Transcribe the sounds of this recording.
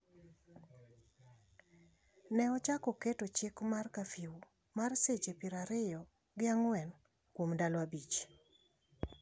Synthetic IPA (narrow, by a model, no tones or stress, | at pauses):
nɛɔt͡ʃakɔketot͡ʃɪkmarkafiw | marset͡ʃepɪɾaɾɪjɔ | ɡɪaŋwɛn | kwomdalwabit͡ʃ